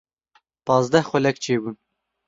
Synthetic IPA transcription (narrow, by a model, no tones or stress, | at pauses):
pɑːzd̪ɛhxʷɛlɛkt͡ʃʰeːbun